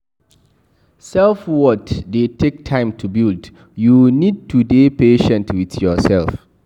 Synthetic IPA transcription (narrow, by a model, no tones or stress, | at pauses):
sɛlfwɔtdetʰek̚tʰãɪ̃mtʰubild | junid̚tʰudepeʃɛ̃ntwitjɔsɛlf